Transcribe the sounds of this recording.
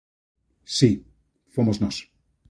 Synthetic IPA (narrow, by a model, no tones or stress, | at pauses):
si | fomosnos